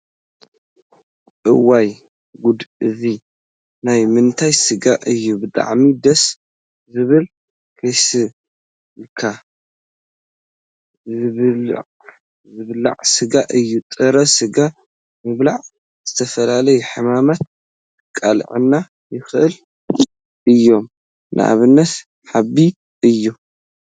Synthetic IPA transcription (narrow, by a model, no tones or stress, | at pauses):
ʔɨwaj | ɡud̪ɨzi | najmɨnt̪ʰajsɨɡaʔɨjːubɨt̪ʼa̰ʕmid̪ɐs | zɨβɨl | kʰɐjsɨ | lkʰa | zɨβ̰ʕ | zɨβla̰ʕsɨɡaʔɨjːut̪ʼɨɾɐsɨɡa | mɨβlaʕ | z̥ɨt̪ʰɐfɐlalɐjuħɨmamat̪̚ | kʼalʕɨ̰nːa | jɪxʔɨl | ʔɨjːo̞m | nʔɨ̰ʔa̰βɨnːɐt̪ | ħabi | ʔɨjːu